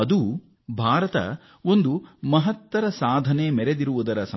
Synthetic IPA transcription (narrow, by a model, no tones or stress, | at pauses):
ɐd̪u | bʱaːɾɐt̪ɐ̰ | o̞nd̪umɐɦɐt̪ːʋɐɾɐsaːd̪ʱɐneːmɛɾed̪iɾuʋud̪ɐɾɐsɐ